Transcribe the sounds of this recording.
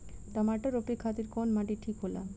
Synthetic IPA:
t̪amaʈoɾopɾikʰat̪iɾkɔnmaʈiʈʰikɦola̰

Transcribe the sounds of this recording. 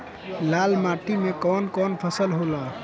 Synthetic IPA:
lalmaʈimekɔnkɔnpʰəsəlɦolã

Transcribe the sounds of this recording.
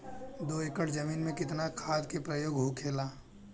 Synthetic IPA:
d̪oːekəʈʰd͡ʒɐmiːnmẽkɪt̪nakʰaːd̪kepɾəjoːɡɦokʰeːlaː

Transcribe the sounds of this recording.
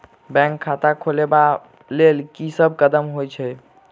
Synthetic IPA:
bɛ̃ŋkʰːat̪akʰoleba | lelkisəb̚kəd̪əmɦojt͡ʃʰɛ

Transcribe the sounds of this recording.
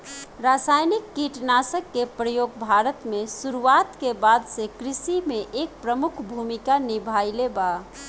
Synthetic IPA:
ɾasajnikːiʈnasəkːepɾəjoːɡbʱaɾət̪mẽsuɾuat̪kebad̪sekɾɪsimẽʔeːk̚pɾəmʊkʰbʱumikanibʱajleba

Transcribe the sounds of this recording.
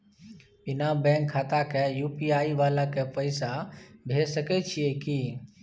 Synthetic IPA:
pɪnaːbɛ̃ːŋkʰːaːt̪akʰɛjuːpiːaːiʋaːlakepəɪsabʱeːsəkɛt͡ʃʰɪekiː

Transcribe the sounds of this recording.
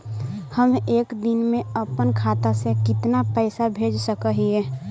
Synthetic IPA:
həmeːkd̪ɪnmẽəpənkʰaːt̪asekɪt̪napəɪsabʱeːd͡ʒsəkəɦiɛː

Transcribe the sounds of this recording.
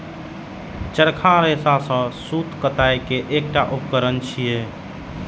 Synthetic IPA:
t͡ʃəɾkʰaɾesasə̃sut̪kət̪ajkeʔek̚ʈaʔupkəɾənt͡ʃʰije

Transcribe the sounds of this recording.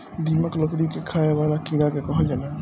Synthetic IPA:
d̪ʱiməkləkɽikekʰaebalakiɾakekɔɦəld͡ʒana

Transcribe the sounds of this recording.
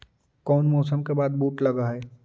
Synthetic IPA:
kɔːnmɔːsəmkebaːd̪̚buːʈlɐɡaɦɛː

